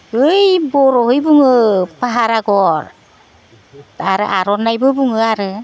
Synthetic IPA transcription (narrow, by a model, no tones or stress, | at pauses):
ɯjbɔɾɔɦɯjbuŋɯpaɦaɾaɡɔɾ | aɾɯʔaɾɔnːajbɯbuŋɯaɾɯ